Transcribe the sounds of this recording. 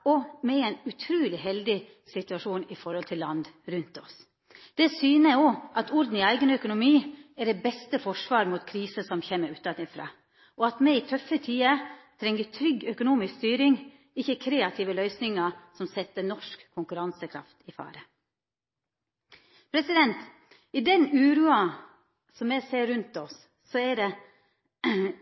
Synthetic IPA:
ɔmɛɛɪnʉt̪ʰɾʉːlɪɦɛld̪ɪ | sɪt̪ʉɑʂuːnɪfɔɾhɔlt̪ʰɪlːɑ̰nd̪ɾʉnt̪ɔs | d̪̥ɛsyːnəoːʔɑt̪ʊɾd̪n̩ɪæɪɡənœkʊnʊmiːæɖɛbɛst̪əfɔʂʋɑːɾmuːt̪kʰɾiːsəsɔmçemːəɾʉːt̪d̪ɑnɪfɾɑ̰ː | ʔɔɑt̪mɛiːt̪ʰœfət̪ʰiːət̪ʰɾɛŋːət̪ʰɾʏɡːœkʊnuːmɪskst̪yːɾɪŋ | ɪçːəkʰɾeːɑt̪ʰɪʋəlœʏsnɪŋɑsɔmsɛt̪ːənɔʂkkʰːʊŋkʉɾɑnsəkʰɾɑ̰ft̪ɪfɑ̰ːɾə | pʰɾɛsɪd̪ɛnt̪ | id̪ɛnʉːɾuɑ | sɔmːɛseːɾʉnt̪ɔsː | ɔɛɖɛ

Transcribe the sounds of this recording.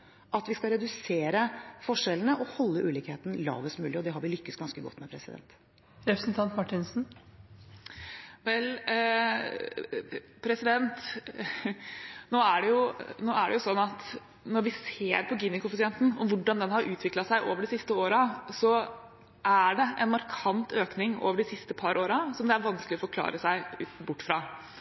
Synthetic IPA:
ʔɑt̪ʋɪskɑɾɛd̪ʉseːɾəfɔʂɛlənəʔɔhɔlːəʔʉːlɪːkheːt̪n̩lɑ̰ːʋəsmʉːlɪɔd̪ɛɦɑɾʋɪlʏkːəsɡɑnskəɡɔ̰t̪ːmɛpʰɾɛsɪd̪ɛ̰nt̪ | ɾɛpɾəsn̩t̪ʰɑnt̪mɑʈːɪnsn̩ | ʋɛl | pʰɾɛsɪd̪ɛnt̪ | noːæɖɛjʊnoːæɖɛjʊsɔnːɑt̪ | nɔɾʋɪseːɾpʰɔɡinɪkʊfɪsɪɛnt̪n̩ɔmʋʊɖɑnd̪ɛnhɑɾʔʉːt̪ʰʋɪklɑt̪sæɪʔo̰ːʋəɖɛsɪst̪əoːɾɑsɔ | ʔæɖɛʔɛ̰nmɑɾkʰɑnt̪ʰøːknɪŋo̰ːʋəɖɪsɪst̪əpʰɑɾʔoːɾɑsɔmd̪ɛæɾʋɑnsklɪɔfɔɾkʰlɑ̰ːɾəsæɪbʊʈːfɾɑː

